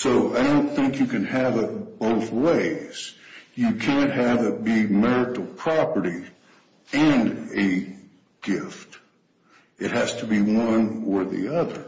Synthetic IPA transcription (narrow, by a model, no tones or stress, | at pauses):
soʊaɪɾõʊ̃nθɪ̃ŋkjɨkɨ̃nɨvɪt̚b̥oʊθweɪz̥jɨkʰæ̃ntɦɨvɪt̚b̥imɛɹɨɾl̩ˠpʰɹ̥ɑpə˞ɾi | ɨ̃nɨ | ɡ̥ɪft | ɨt̚hæz̥tʰəbiwʌ̃nə˞ðḭʌðə˞